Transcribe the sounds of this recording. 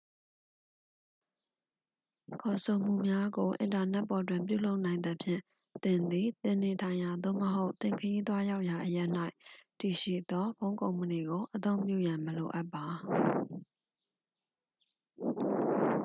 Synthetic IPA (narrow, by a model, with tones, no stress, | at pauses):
kʰɔ˨sʰo˨m̥ṵ˨mja˦ɡo˨ʔɪ̰̃˨nta˨nɛ˦ʔpːɔ˨twɪ̰̃˦˨mp̬jṵ˦˨lo˦ʊʔnã˨ɪ̃nd̪ə˦˨pʰjɪ̰̃˦˨ | t̪ɪ̃˨nd̪i˨t̪ɪ̃˨ne˨tʰã˨ɪ̃ja˨d̪o̰˦˨məɦo˦ʊʔt̪ɪ̃˨ŋkʰəji˦t̪̬wa˦ja˦ʊʔja˨ʔəjɛ˦ʔn̥a˦ɪʔti˨ʃḭ˦˨d̪ɔ˦bõ˦ʊ̃kõ˨ʊ̃mə˨ni˨ɡo˨ʔət̪õ˦ʊ̃mpjṵ˦˨jã˨məlo˨ʔa˦pːa˨